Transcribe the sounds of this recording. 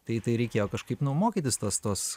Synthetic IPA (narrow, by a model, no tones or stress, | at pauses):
t̪ɐɪt̪ɐɪɾʲɛɪkʲeːjoːkɐʃkɐɪpnʊmoːkʲiːt̪ʲɪst̪oːst̪oːs